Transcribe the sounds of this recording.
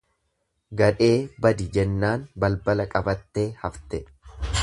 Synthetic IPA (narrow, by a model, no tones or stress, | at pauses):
ɡɐᶑe̞ːbɐd̪ɪd͡ʒɛnːaːnbɐlbɐlɐkʼɐbɐt̪ːe̞ːhɐft̪ɛ